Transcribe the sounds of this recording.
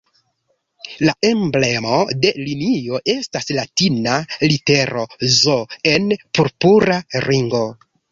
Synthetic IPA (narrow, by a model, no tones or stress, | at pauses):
laʔemble̞mo̞de̞linio̞ʔe̞staslatinalite̞ɾo̞zoe̞npuɾpuɾaɾiŋɡo̞